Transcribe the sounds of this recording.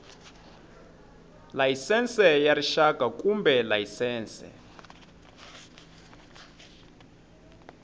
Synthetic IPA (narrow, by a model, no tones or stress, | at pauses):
lajisɛnsɛjariʃaɡ̥ʱakʼumbʱɛlajisɛːnsɛ̰